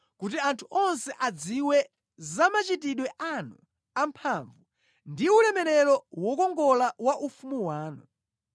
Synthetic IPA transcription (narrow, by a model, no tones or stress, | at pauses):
kutiantʰuʔɔnsɛʔad͡ziwɛ | zamat͡ʃitiɗwɛʔanu | ampʰaɱvu | ndiulɛmɛɾɛɾɔwɔkɔŋɡɔlawaʔufumuwaːnṵ